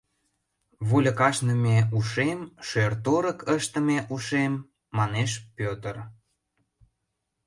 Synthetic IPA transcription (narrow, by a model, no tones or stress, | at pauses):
βulʲə̆kɑʃnəmʲeuʃemʃørt̪oɾəkəʃt̪ə̆meʔuʃemː | ɑneʃpʲøt̪ər